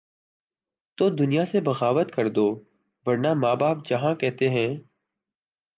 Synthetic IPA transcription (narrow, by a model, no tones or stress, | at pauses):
t̪oːd̪ʊnijaːsebəɣaːʋət̪kəɾd̪oː | ʋəɾnaːmaːbaːp̚d͡ʒəɦãkɛɦt̪eɦɛ̃ː